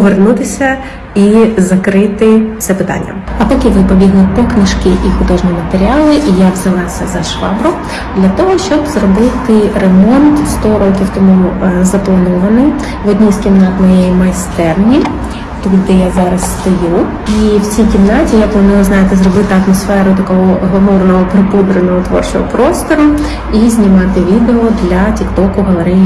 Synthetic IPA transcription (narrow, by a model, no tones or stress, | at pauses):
ʋernut̪ɪsʲɐ | izɐkɾɪt̪ɪsʲɛpɪt̪ɑ̰nʲːɐ̰mɐpɔkɪʋɪpɔbʲiɦnʊt̚ʲpɔknɪʃkɪʔixʊd̪ɔʒnʲimɐt̪eɾʲɪɑlˠɪjaʋzɪlˠɑsʲɐzɐʃʋɑ̰bɾʊ | d̪lʲɐt̪ɔɦɔʃt͡ʃɔbzrɔbɪt̪ɪremɔnt̪st̪ɔɾɔkʲiwt̪ɔmuzɐplˠɐnɔʋɐnɪj | ʋɔd̪ʲnʲiskʲɪmnɑt̪mɔjejimɐjst̪ɛrnʲi | t̪ut̪̚ʲd̪ɛjazɑɾɐsst̪ɐju | iwt͡sʲijkʲɪmnɑtʲijaplˠɐnɪlɔznɑjet̪ɪzrɔbɪt̪ɪɐt̪mɔsfɛɾʊt̪ɐkɔɦɔɦˠɔmɔrnɔɦɔpɾɪpud̪ɾenɔɦɔt̪ʋɔ̰rt͡ʃɔ̰ɦɔpɾɔst̪ɔɾʊ | izʲnʲimɑt̪ɪʋʲid̪eɔd̪lʲɐtʲikt̪ɔkʊɦɐlˠeɾɪj